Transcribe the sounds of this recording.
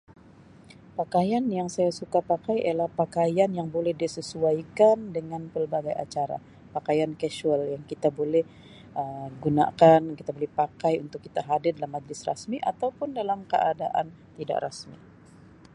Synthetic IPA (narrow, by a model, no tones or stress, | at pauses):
pakajanjaŋsajasukapakajʔa̰jlahpakajanjaŋbolɛhdisəsuaikandəŋanpəlbaɡaja̰t͡ʃaɾa̰ | pakajankɛʃuɛljaŋkit̪abolɛh | ʔəɡuna̰kankit̪abolɛhpakajṵnt̪ʊkːit̪aɦadɪrdalamːad͡ʒlɪsra̰smiʔat̪awpʊndalamkə̰ʔada̰ʔa̰n | t̪ida̰ʔrasmḭ